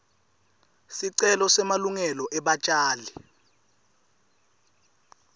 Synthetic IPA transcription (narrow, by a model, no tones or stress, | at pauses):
siǀɛlɔsɛmaluŋɛlɔʔɛɓat͡ʃʼaːli